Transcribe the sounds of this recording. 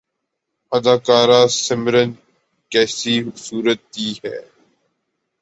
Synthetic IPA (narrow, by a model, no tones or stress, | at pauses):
ɐd̪aːkaːɾaːsɪmɾən | kɛːsisuːɾət̪ːiɦɛ̰ː